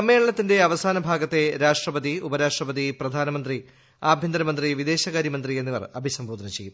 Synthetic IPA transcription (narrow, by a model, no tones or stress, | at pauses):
ɐmːeːɭɐɳɐt̪ːinde̞ɐʋɐsaːnɐbʱaːɡɐt̪ːe̞ɾaːʂʈrɐpɐðiubɐɾaːʂʈrɐpɐðiprɐd̪ʱaːnɐmɐnd̪ri | aːbʱjind̪ɐɾɐmɐnd̪riʋid̪e̞ːɕɐɣaːɾjɐmɐnd̪rienːiʋɐ̰rɐbʱisɐmbʱoːd̪ɐnɐt͡ɕe̞jːum